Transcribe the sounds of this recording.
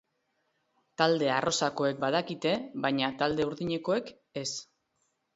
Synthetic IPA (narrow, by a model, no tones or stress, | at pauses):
t̪ald̪e̞arʔo̞sako̞e̞k̚bað̞akit̪e̞βajɲat̪ald̪e̞uɾðiɲe̞ko̞e̞k | e̞s